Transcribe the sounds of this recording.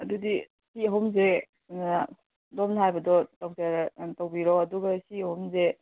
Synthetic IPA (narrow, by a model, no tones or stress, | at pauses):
ɐdudi | siɐɦumze | na | domnɦajbɐdɔtawtaɾtɐwbiɾɔɐduɡɐsiɐhumze